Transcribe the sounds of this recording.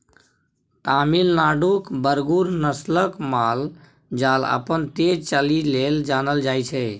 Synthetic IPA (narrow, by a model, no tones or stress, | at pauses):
ʈ̪aːmilnaːɖukbəɾɡuɾnəsləkmaːl | d͡ʒaːlə̰pənt̪ed͡ʒt͡ʃəlileld͡ʒaːnəld͡ʒaːjt͡ʃʰɛ